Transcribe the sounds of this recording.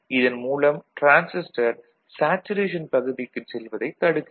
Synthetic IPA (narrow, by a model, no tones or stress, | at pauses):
ɪðɐnmuːlɐmʈɾaːnsɪsʈɐɾ | saːt͡ʃːɯɾeːʂ̬ɐnpɐɣɯðɪkːɯsɛlʋɐðɐɪt̪ɐɽɯkː